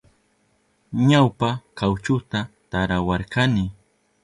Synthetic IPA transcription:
ɲawpakawt͡ʃʊt̪at̪aɾawaɾkanɪ

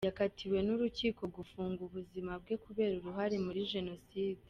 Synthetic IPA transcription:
jakatʰiɾwe̞nuɾuciːko̞ɡufuːŋɡuβuzimab̚ɡe̞kuβe̞ːɾuɾuɦaɾe̞muɾiʒe̞no̞siːde

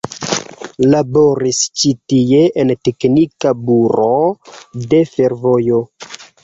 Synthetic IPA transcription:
labo̞ɾist͡ʃitie̞ʔente̞knikabuɾode̞fe̞ɾvo̞jo̞

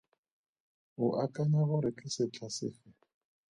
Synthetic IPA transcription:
ʊʔakʼanaɣʊɾɪt͡ɬʼɪsɪt͡ɬʰasɪ̰ːfɛ

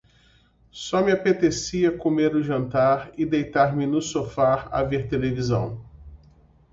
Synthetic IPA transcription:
sɔmɪapet̪esiɐkomeɾʊʒɐ̃nt̪aɾɪd̪ejt̪aɾmɪnʊsofaɾa̰veɾt̪elevizɐ̰̃w̃

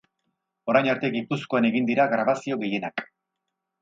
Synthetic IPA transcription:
o̞ɾajnaɾt̪e̞ɡipusko̞ane̞ɣind̪iɾaɡɾaβasio̞ɣe̞je̞nak

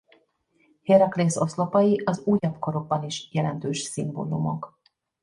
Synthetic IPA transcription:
heɾɒkleːso̞slo̞pɒjiʔɒzuːjɒbko̞ɾo̞ɡ̚bɒniʃjɛlɛnt̪øːʃsimbo̰ːlumo̞̰k

